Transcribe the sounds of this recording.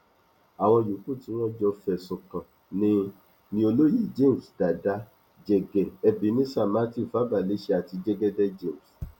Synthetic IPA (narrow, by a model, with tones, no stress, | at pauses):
a˨w̃ɔ̃˧ju˨ku˦˨tĩ˨˦w̃ɔ̃˦d͡ʒɔ˧fɛ˨sɔ̃˨kã˨ | nĩ˦ | nĩ˦o˧lo˦ji˦˨d͡ʒe˦˨sd̥a˨da˨˦ | d͡ʒɛ˨ɡɛ˨ɛ˨bĩ˨˦nĩ˦sa˦˨ma˦ti˦˨fa˨˦ba˨le˨˦ʃɛ˦a˨ti˧d͡ʒɛ˦ɡɛ˦dɛ˦d͡ʒẽ˦˨m˨s